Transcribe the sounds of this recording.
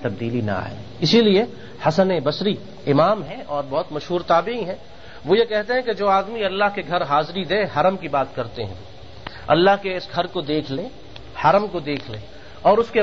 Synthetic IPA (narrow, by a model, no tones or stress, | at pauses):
t̪ɐb̚d̪iːlina̰a̰ːḛ | ɪsilie | hɐsənebɐsɾi | ɪmaːmɦɛ̃ʔɔːɾbɔɦʊt̪mɐʃɦuːɾt̪aːbɪĩɦɛ̃ː | ʋoːjekɛɦt̪eɦɛ̃ked͡ʒoːaːd̪miɐlːaɦkeɡʱɐɾɦaːzɾid̪eːɦɐɾəmkibaːt̪kɐɾt̪eɦɛ̰̃ | ɐ̰lːaɦkeɪsɡʱɐɾkod̪eːkʰle | hɐɾəmkod̪eːkʰleː | ɔːɾʊske